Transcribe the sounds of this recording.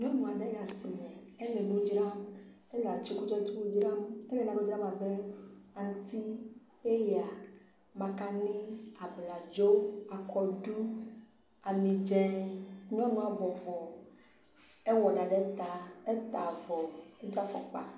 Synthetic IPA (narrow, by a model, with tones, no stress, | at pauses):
ɲɔ̃˦nũ˨a˨ɖe˦ja˨si˨mɛ̃˨ | e˦le˨nũ˦d͡ʒɾa˦m | e˦la˨t͡ʃi˦ku˦d͡ʒɔ˦t̪i˦wu˦d͡ʒɾa˦me˦le˨nã˨ɖo˦d͡ʒɾa˦ma˨be˦a˨ŋ˦t̪i˦ | e˦ja˨ | mã˨ka˦nĩ˦a˨bla˨d͡ʒo˦a˨kʰɔ˨ɖu˦ | a˨mĩ˨d͡ʒɛ˦ɲɔ̃˦nũ˦a˨vɔ˨vɔ˨ | e˦wɔ˨ɖa˨ɖe˦t̪a˨e˦t̪a˨vɔ˨e˦d͡ʒɾa˦fɔ̰˨k͡pa̰˦